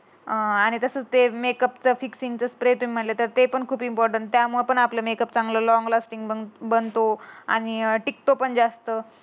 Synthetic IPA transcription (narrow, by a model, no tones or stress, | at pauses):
aɽ̃it̪əsət͡st̪emekəpt͡səfiksint͡səspɾet̪um̤iːm̤əʈlet̪əɾt̪epəɳkʰuːpimpɔɾʈəɳʈt̪jamuɭepəɳapləmekəpt͡sãŋɡləlɔŋɡlasʈiŋɡəbənt̪oa̰ɽ̃iʈik̚t̪opəɳd͡zast̪ə